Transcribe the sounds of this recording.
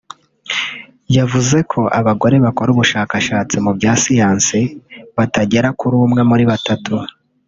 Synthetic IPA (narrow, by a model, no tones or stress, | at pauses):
javuze̞kʰo̞ʔa̰βaɡo̞ɾe̞βako̞ɾuβuʃaːkaʃaːt͡simubjɟaːsijaːnsiβataɟe̞ɾakuɾuːmŋamuɾiβatatu